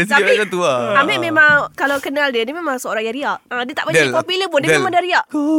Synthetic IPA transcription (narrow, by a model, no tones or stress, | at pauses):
sakat̪uaamɛʔmemãŋkalawkənaldianimemãŋsəoɾaŋjãɾiaʔədiət̪a̰ʔbəaopiləp̬ʊndəmadaɾiaʔ